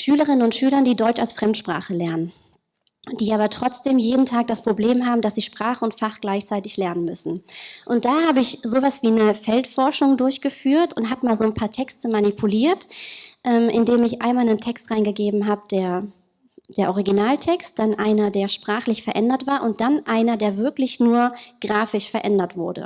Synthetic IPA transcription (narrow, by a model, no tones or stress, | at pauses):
ʃyːləʁɪnənʊntʃyːlɐndiːdɔʏt͡ʃa̰lsfʁ̥ɛmtʃpʁ̥a̰ːχəlɛɐnən | d̥iːʔaːbɐtʁ̥ɔt͡sd̥eːmjeːdn̩tʰaːk̚d̥aspʁ̥obleːmɦaːbm̩dasz̥iːʃpʁ̥aːχəʊntfaχɡ̥laɪçt͡saɪtɪçlɛɐnənmʏsn̩ʔʊnt̚d̥aːhaːbəɪçzoːvasv̥iːnəfɛltfɔɐʃʊŋdʊɐçɡ̥əfyːɐtʊntɦaːbəmaːlzoːnpʰaːɐtʰɛkstəmanipʰuliːɐtʔɛːmʔɪndeːmɪçʔa̰ɪnmaːlnəntʰɛkstʁaɪnɡəɡeːbm̩ɦaːbədeːɐ | d̥eːɐʔɔʁiɡinaːltʰɛkst̚d̥anʔaɪnɐdeːɐʃpʁ̥aːχlɪçfɛɐʔɛndɐtv̥aːɐʔʊnt̚d̥anʔaɪnɐdeːɐvɪɐklɪçnuːɐɡ̥ʁaːfɪʃfɛɐʔɛndɐtv̥ʊɐdə̰